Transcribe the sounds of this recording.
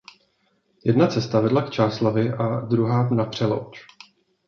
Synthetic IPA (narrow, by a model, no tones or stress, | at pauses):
jɛdnat͡sɛst̪avɛdlakt͡ʃaːslavɪʔadɾuɦaːnapr̥ɛlo̰wt͡ʃ